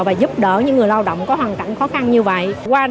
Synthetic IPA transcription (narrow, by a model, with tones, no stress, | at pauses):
vaː˨˩zu˦˥p̚ɗəː˧˩ɲɨ̰˧˥ŋːɨ˨˩əjlaː˧wɗə̰˧˨wŋ͡mkɔː˨˦jɦwaː˨˩nka̰˧˨ŋ̟xɔ˨˦xa˧nɲɨ˧və̰˧˨jʔkwaː˧